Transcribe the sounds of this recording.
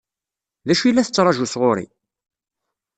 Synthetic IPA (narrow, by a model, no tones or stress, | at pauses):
ðæʃilːæθət͡sːɾˤɑʒusʁoɾḭ